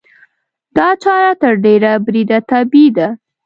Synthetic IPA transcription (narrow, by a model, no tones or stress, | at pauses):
d̪̥ɑt͡ʃɑɾat̪əɾɖeɾabɾid̪at̪abid̪a